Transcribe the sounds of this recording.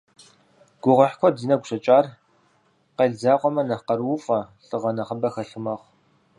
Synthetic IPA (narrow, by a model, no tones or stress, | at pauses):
ɡ̥ʷʊʁɐħkʷʰɔdiːnɐɡʷʊɕɐt͡ʃʼaːr | qeɮd͡zaːqʷɔmɐnɐqɐrwʊfʼɐɬʼɨʁɐnɐχəbɐxɐɬɨmɐʁʷ